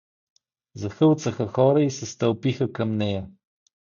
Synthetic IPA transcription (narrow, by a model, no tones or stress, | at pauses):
zɐxəlˠt̪səxəxɔɾəisɛst̪ɐlˠpixəkɐmnɛjɐ